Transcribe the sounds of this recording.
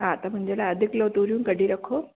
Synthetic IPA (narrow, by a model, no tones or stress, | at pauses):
ɦãt̪ɐmʊ̃ɪ̃ɲd͡ʑelaɐd̪ʱikloːt̪uɾjũːkəɖʱiɾəkʰoː